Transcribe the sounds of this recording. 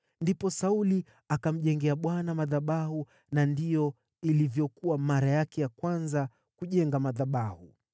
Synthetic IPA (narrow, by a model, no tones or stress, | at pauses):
ndipɔsauli | akam̩ʄɛŋɡɛaɓwanamaðaɓahu | nandijɔ | ilivjɔkuwamaɾajakɛjakwanza | kuʄɛŋɡamaðaɓahu